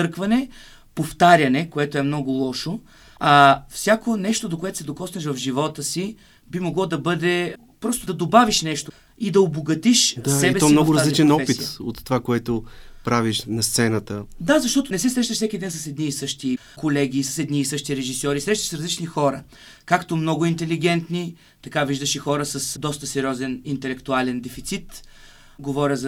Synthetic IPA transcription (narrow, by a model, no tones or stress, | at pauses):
t̪ɤɾkvɐnɛ | poft̪aɾʲjɐnɛkoɛt̪oɛmnɔɡʊlˠɔʃo | ɐfsʲjakonɛʃt̪od̪okoɛt̪ʊ̥sɛd̪okɔsnɛʃvɐfʒivɔt̪əsi | bimoɡlˠɔd̪ɐbɤd̪ɛ | pɾɔst̪ʊd̪ɐd̪obaviʃnɛʃt̪o | id̪ɐoboɡɐt̪iʃasɛibɛsɔɛmnɔɡʊɾɐzaliit͡ʃɛnɔspit̪o̰t̪ːovakoɛt̪opɾaviʃnɐst̪sɛnət̪əd̪azɐʃt̪ɔt̪ʊnɛsɛsɾɛʃnɐʃsɛkid̪ɛnsɐsɛd̪niːsɤʃt̪i | kolɛɡʲiːsɐ̥sɛd̪niːsɤʃt̪iɾɛʒisɔɾisɾɛʃt̪ɐ̥ʃsɾɐzlit͡ʃnixɔɾə̰ | kakt̪omnɔɡʊint̪ɛliɡ̟ɛnt̪ni | t̪ɐkaviʒd̪əʃɛxɔɾəsɐsd̪ɔst̪əsɛɾʲiɔzɛnint̪ɛlɛkt̪ualɛnd̪ɛfit̪sit̪ | ɡovɔɾʲəz